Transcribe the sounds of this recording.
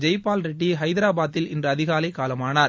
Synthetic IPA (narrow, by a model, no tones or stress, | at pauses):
d͡ʒɐɪpːaːlɾɪʈːiɦɐɪðɪɾaːbaːt̪ːɪlɪndrɐɐðɪɣaːlɐɪkːaːlɐmaːnaːɾ